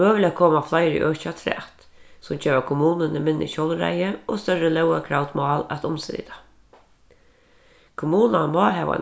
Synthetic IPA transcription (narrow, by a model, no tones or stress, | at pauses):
øːʋliækʰoːmaflajɾḭʔœːʃat̪ʰɾɛ̰t̪ | sʊmd͡ʒeːʋakʰʊmuːnənəmɪnːə̰ʃowlɾa̰jəɔst̪œrəlœwakʰɾawt̪mɑːlæt̪ʊmsɛḭt̪ʰḁ | kʰʊmuːnanmɑːɦɛʋa̰